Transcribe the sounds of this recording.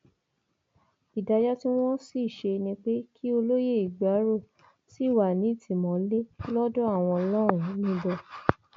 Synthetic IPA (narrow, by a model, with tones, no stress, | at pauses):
i˨da˧jɔ˦ti˦w̃ɔ̃˦si˦˨ʃe˧nĩ˧k͡pe˦kʰi˦o˧lo˦je˦˨i˨ɡ͡ba˨˦ɾo˦˨ | si˦˨wa˨nĩ˨˦˨tʰi˨mɔ̃˨le˦lɔ˦dɔ˦a˦˨w̃ɔ̃˧lɔ˦ɾ̃ũ˦˨nĩ˦dɔ˧